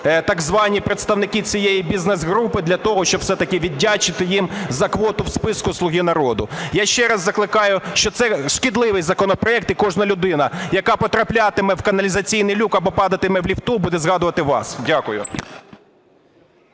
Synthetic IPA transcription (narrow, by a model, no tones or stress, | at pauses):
t̪ɐɡzʋɑnʲipɾet̪st̪ɐwnɪkʲit͡sʲijejibʲiznɛzɦɾupɪd̪lʲɐt̪ɔɦɔʃt͡ʃɔbfsɛt̪ɐkɪʋʲidʲːat͡ʃɪt̪ɪjimzɐkʋɔt̪ʊwspɪskʊslˠʊɦʲinɐɾɔd̪ʊjaʃt͡ʃɛɾɐzːɐklˠɪkɑjʊʃt͡ʃɔt̪sɛʃkʲid̪lˠɪʋɪjzɐkɔnɔpɾɔɛk̚t̪ikɔʒnɐlʲʊd̪ɪnɐjɐkɑpɔt̪ɾɐplʲat̪ɪmɛwkɐnɐlʲizɐt͡sʲijnɪjlʲukɐbɔpɑd̪ɐt̪ɪmɛʋlʲiwt̪ubud̪ɛzɦɑd̪ʊʋɐt̪ɪʋɑ̰sdʲakʊjʊ